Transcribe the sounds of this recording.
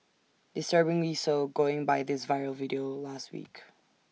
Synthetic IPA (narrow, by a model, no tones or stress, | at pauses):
d̥ɨstɜ˞bɪ̃ŋwisoʊɡoʊɪ̃ŋbaɪðɪsvaɪɹl̩ˠvɪɾioʊlæst̚wḭk